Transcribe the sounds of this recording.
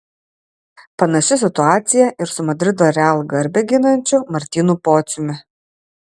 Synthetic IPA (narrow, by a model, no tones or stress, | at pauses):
pɐnɐʃʲɪsʲɪt̪ʊaːt̪sʲɪjɛʔɪɾsʊmɐd̪ʲɾʲɪd̪oːɾʲɛalˠɡɐɾʲbʲɛɡʲɪnɐnʲt͡ʃʲʊmɐɾʲt̪ʲiːnupoːt̪sʲʊmʲɪ